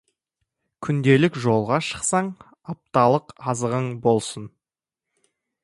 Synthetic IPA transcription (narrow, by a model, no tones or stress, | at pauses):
kʲʰʏnd̪e̞lɪkʒo̞lˠʁɑʃə̥qsɑɴ | ɑp̚t̪ɑlˠəqɑzəʁəɴbo̞lˠsən